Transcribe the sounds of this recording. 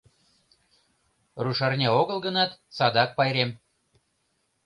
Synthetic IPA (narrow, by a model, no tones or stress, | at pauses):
ruʃɑrnʲɑoɣəlˠɣə̆nɑt̪sɑd̪ɑk̚pɑjɾem